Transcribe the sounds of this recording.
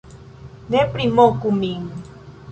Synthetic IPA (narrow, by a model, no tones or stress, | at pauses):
nɛpɾimɔkumiŋ